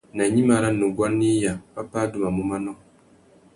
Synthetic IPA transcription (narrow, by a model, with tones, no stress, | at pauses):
na˨ɲi˦ma˨ɾa˦nu˨ɡʷa˦nːi˦ja˨pa˦paː˦du˨ma˨mu˦ma˦nɔ˦